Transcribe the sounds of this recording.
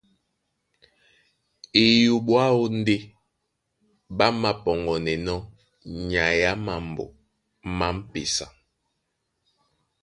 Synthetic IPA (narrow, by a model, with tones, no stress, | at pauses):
e˨ju˨ɓwa˦o˦n̩˦de˦ | ɓa˦ma˦pɔ˨ŋɡɔ˨nɛ˨nɔ˦ | ɲa˨ja˦ma˨m˨bo̰˨ | ma˦m̩˦pe˨sa̰˨